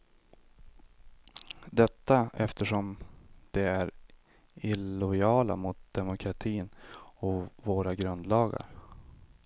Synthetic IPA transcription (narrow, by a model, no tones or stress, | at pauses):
d̪ɛt̪ːaɛft̪əʂɔmd̪̥ɛæɾ | ɪlʊjɑːla̰mʊt̪̚d̪̥ɛmʊkʰɾat̪ʰiːnɔvoːɾaɡɾɵnd̪lɑːɡa̰ɾ